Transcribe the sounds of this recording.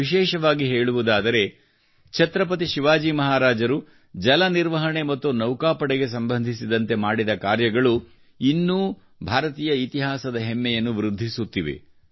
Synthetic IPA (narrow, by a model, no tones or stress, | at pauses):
iʃɛːʃɐʋaːɡiɦeːɭuʋud̪aːd̪ɐɾe̞ | t͡ʃʰɐt̪ɾɐp̬ɐt̪̬iʃiʋaːd͡ʒiːmɐɦaːɾaːd͡ʒɐɾu | d͡ʒɐlɐniɾʋɐɦɐɳe̞mɐt̪ːunɐwkaːpɐɽeɡe̞s̬ɐmbɐnd̪ʱisid̪ɐnt̪e̞maːɽid̪ɐkaːɾjɐɡɐɭu | inːuː | bʱaːɾɐt̪iːjɐit̪iɦaːsɐd̪ɐɦemːɛjɐnːuʋɾud̪ʱːisut̪ːiʋḛ